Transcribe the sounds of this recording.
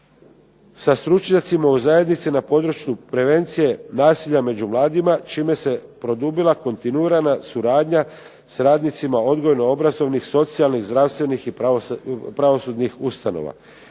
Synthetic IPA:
sast̪ɾut͡ʃɲat̪simauzaje̞d̪nit̪sinapo̞d̪ɾut͡ʃjupɾe̞ʋe̞nt̪sije̞naːsiʎame̞d͡ʑumlˠaːd̪imat͡ʃiːme̞se̞pɾo̞d̪ubilˠako̞nt̪inuiːɾanasuɾaːd̪ɲa | sɾaːd̪nit̪simao̞d̪ɡo̞jno̞o̞bɾazo̞ʋnixso̞t̪sijalˠniɣzd̪ɾavst̪ʋe̞nixip | pɾaʋo̞sud̪nixust̪ano̞̰ʋa̰

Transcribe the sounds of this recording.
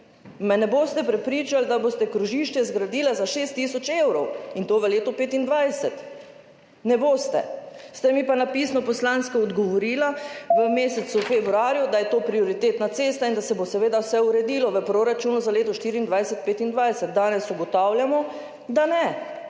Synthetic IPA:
mɛnɛboːst̪ɛpɾɛpɾiːt͡ʃald̪abost̪ɛkɾuʒiːʃt͡ʃɛzɡɾad̪iːlazaʃeːst̪ːiːsɔt͡ʃewɾɔwint̪oːʋəleːt̪ɔpeːt̪ind̪ʋajsɛt̪ | nɛboːst̪ɛ̰st̪ɛmipanapiːsnɔpɔslanskɔːd̪ɡɔʋɔɾiːlaʋəmeːsɛsufebɾuaːɾjud̪ajɛt̪oːpɾioɾit̪eːt̪nat̪seːst̪aind̪asɛbosɛʋeːd̪awsɛuɾɛd̪iːlɔʋəpɾoɾat͡ʃuːnuzaleːt̪ɔʃt̪iːɾiːnd̪ʋajsɛt̪̚peːt̪ind̪ʋajsɛt̪̚d̪aːnɛsuɡɔt̪awljamɔ | d̪anɛ

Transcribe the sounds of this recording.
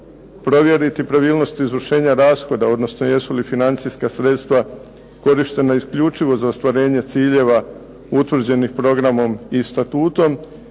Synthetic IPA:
pɾo̞ʋje̞ɾit̪ipɾaʋiːlˠno̞st̪iizʋr̩ʃe̞ːɲaɾaːsxo̞d̪ao̞d̪no̞sno̞je̞sulifinant̪sijskasɾe̞t̪st̪ʋa | ko̞ɾiʃt̪e̞naiskʎut͡ʃiʋo̞zaost̪ʋaɾe̞ːɲe̞t̪siːʎe̞ʋa | ut̪ʋr̩d͡ʑe̞nixpɾo̞ɡɾamo̞mist̪at̪uːt̪o̞m

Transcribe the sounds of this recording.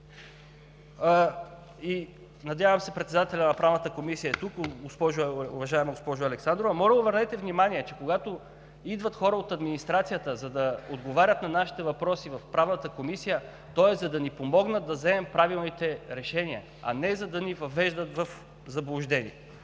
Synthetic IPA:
i | nɐd̪ʲjavɐmsɛpɾɛt̪sɛd̪at̪ɛlʲɐnɐpɾavnət̪əkomisijəɛt̪ukɡospɔʒṵvɐʒaɛmɛɡospɔʒʊɐlɛksand̪ɾovɐmɔlɛʊvəɾnɛt̪ɛvnimaniɛt͡ʃɛkoɡat̪o | id̪vɐt̪xɔɾəot̪ɐd̪minist̪ɾat̪sijət̪əzɐd̪ɐod̪ɡovaɾʲət̪nɐnaʃi̥t̪ɛvɐpɾɔsivɐfpɾavnət̪əkomisijə | t̪ɔɛzɐd̪ɐnipomɔɡnət̪̚d̪ɐzɛmɛmpɾavilˠnit̪ɛɾɛʃɛniə | ɐ̰nɛzɐd̪ɐnivɐvɛʒd̪ət̪vɐf | zɐblˠʊʒd̪ɛnḭɛ

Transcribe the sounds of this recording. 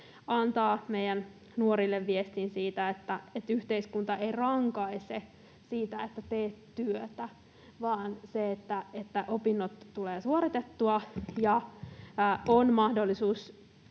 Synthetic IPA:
ɑnt̪ɑːmejæn | nuoɾilːeʋʋiest̪insiːt̪æet̪ːæet̪yht̪eiskunt̪ɑeirɑŋkɑise | siːt̪æet̪ːæt̪eːttyøt̪æ | ʋɑːnseet̪ːæet̪ːæʔopinːot̪ːuleːsuoɾit̪et̪ːuɑjɑ | onmɑhdolːisuːs

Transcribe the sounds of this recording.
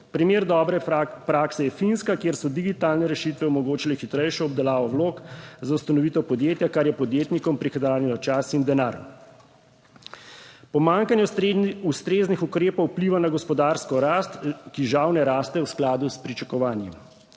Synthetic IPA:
pɾimeːɾd̪ɔːbɾɛpɾaːksɛjɛfinskakjeːɾsɔd̪iɡit̪aːlnɛɾɛʃit̪ʋɛɔmɔɡoːt͡ʃilɛxit̪ɾɛjʃɔɔb̚d̪ɛlaːʋɔwloːkzaust̪anɔʋit̪ɔpɔd̪jeːt̪jakaɾjɛpɔd̪jeːt̪nikɔmpɾixɛd̪aːlɛnat͡ʃasind̪ɛnaːɾ | pɔmaŋkanjɛust̪ɾeːznixukɾeːpɔwpliːʋanaɡɔspɔd̪aːɾskɔɾast̪kiʒawnɛɾaːst̪ɛwsklaːd̪uspɾit͡ʃakɔʋaːnjɛm

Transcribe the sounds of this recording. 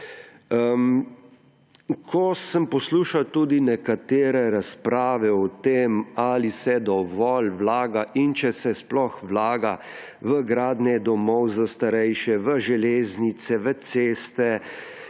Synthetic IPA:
əm | kʰɔsəmpɔsluːʃawt̪uːd̪inɛkat̪eːɾɛɾaspɾaːʋɛɔt̪emalisɛd̪ɔʋɔlʋlaːɡaʔint͡ʃɛsɛsplɔxwlaːɡa | ʋəɡɾaːd̪nɛd̪ɔmɔwzast̪aɾɛjʃɛʋəʒɛleːznit̪sɛʋət̪seːst̪ɛ

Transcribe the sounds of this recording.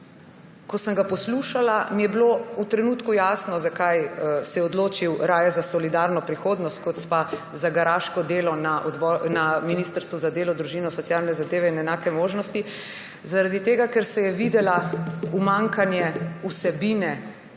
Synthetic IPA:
kɔsəŋɡapɔsluʃalamijɛbilout̪ɾɛnuːt̪kujaːsnɔzakajsɛjɛɔd̪loːt͡ʃiwɾaːjɛzasɔlid̪aɾnɔpɾixoːd̪nɔst̪̚kɔt̪spa | zaɡaɾaːʃkɔd̪eːlɔnaʔɔd̪bɔnaminist̪əɾst̪ʋuzad̪eːlɔd̪ɾuʒiːnɔsɔt̪sjaːlnɛzad̪eːʋɛinɛnaːkɛmoːʒnɔst̪i | zaɾad̪it̪eːɡakɛɾsɛjɛʋid̪ɛlaumaŋkanjɛusɛbiːnɛ

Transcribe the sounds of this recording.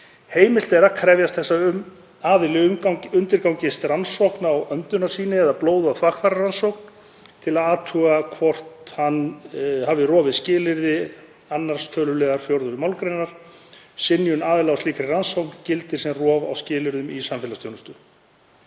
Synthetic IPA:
heːjmɪl̥t̪ɛɾakʰɾɛvjast̪θɛsːaʏ | aːðɪlɪʏʏnt̪ɪɾkawŋcɪst̪ransɔwknaawœnt̪ʏnasiːnɪɛðaploːwðʏawθvakθaɾaransowk̚n | t̪ʰɪlaðaːt̪ʰuːɣakʰvɔr̥t̪hanhavðɪrɔːvɪðscɪːlɪɾðɪ | anːaɾ̥st̪ʰœːlʏlɛːɣaɾ̥fjowɾðʏɾɪmaːwlkɾejnaɾ̥ | sɪnjʏnaːðɪlaawst̪iːkɾɪransowkncɪlt̪ɪɾ̥sɛmrɔːva̰wscɪːlɪɾðʏmisamfɪlast̪jownʏst̪ʏ

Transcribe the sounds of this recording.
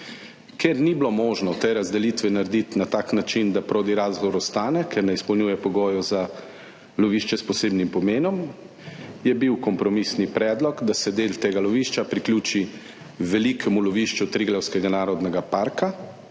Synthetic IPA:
keɾniblomoːʒnɔt̪eɾazd̪ɛliːt̪ʋɛnaɾɛd̪it̪nat̪aːknat͡ʃind̪apɾoːd̪iɾaːzɣɔʋɔɾɔst̪aːnɛkʰɛɾnɛispɔwnjuːjɛpɔɡoːjɔza | lɔʋiːʃt͡ʃɛspɔseːbnimpɔmeːnɔm | jɛbiwkɔmpɾɔmisnipɾɛːd̪lɔɡd̪asɛd̪eːlt̪eːɡalɔʋiːʃt͡ʃapɾiklʲjuːt͡ʃi | ʋɛlikʰɛmulɔʋiʃt͡ʃut̪ɾiɡlɛwskɛɡanaːɾɔd̪nɛɡapaːɾka

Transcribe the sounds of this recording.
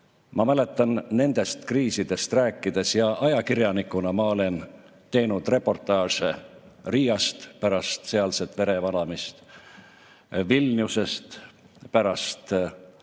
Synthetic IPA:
mɑmæle̞t̪ːˑɑnːe̞nd̪̥e̞st̪kriːsid̪̥e̞st̪ræːkːˑid̪e̞sjɑʔɑjɑkirjɑnikːˑunɑmɑo̞le̞n | t̪e̞jnud̪̥re̞pːo̞rt̪ˑɑːʂe | riːjɑst̪pæɾɑst̪se̞ɑlse̞t̪ˑve̞ɾe̞vɑnɑmist̪ | vilʲniuse̞st̪ | pæɾɑst̪

